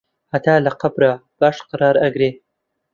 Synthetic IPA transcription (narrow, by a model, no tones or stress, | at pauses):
hɐt̪ʰaːlɐqɐbɾab̥aːʃqɑɾɑːɾɐɡɾeː